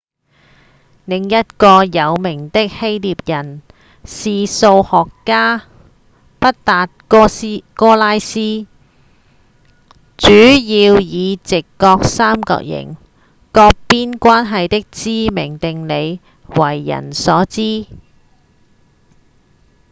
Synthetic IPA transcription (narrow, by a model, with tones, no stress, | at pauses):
lɪ˨˩ŋjɐ˥t̚kɔː˧jɐ˨˧wmɪ˨˩ŋt̪ɪ˥k̚he˥jliː˨p̚jɐ˨˩n | siː˨so˧whɔː˨kːaː˥ | pɐ˥t̚t̪aː˨t̚kːkɔː˥laː˥jsiː˥ | t͡ʃyː˨˥jiː˧wjiː˨˧t͡sɪ˨kːɔː˧k̚saː˥mkɔ̰˧k̚jɪ̰˨˩ŋ | kɔː˧k̚piː˥nkʷaː˥nɦɐ˨jt̪ɪ˥k̚t͡siː˥mɪ˨˩ŋt̪ɪ˨ŋle˨˧j | wɐ˨˩jːɐ̰˨˩nsɔː˨˥t͡siː˥